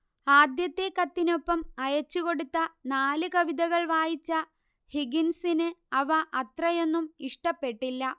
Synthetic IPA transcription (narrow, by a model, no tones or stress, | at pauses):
aːd̪jɐt̪ːe̞kɐt̪ːino̞pːɐmɐjɐt͡ɕːuko̞ɽut̪ːɐnaːlɨkɐʋid̪ɐɣɐɭʋaːjit͡ɕːɐ | hiɡinsinɨɐʋɐʔɐt̪rɐjo̞nːumiʂʈɐpːe̞ʈːilːɐ